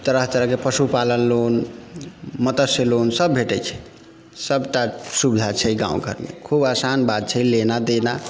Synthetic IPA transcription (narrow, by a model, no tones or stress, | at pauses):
t̪əɾəɦt̪əɾəɦkepəsupalənlon | mət̪əselonsəbbʱeʈɛt͡ʃʰɛ̥ | səbʈasubid̪ʱat͡ʃʰɛɡã̰ṵ̃kə̰ɾnḛkʰubasanbad̪̚t͡ʃʰɛlenad̪ena